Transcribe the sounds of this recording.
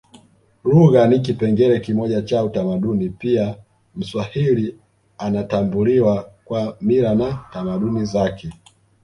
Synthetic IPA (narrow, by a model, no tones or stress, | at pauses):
luɣanik̬ipɛŋɡɛɾɛkimɔʄat͡ʃautamaɗunipia | m̩swahili | anatambuliwakwamiɾanatamaɗunizakɛ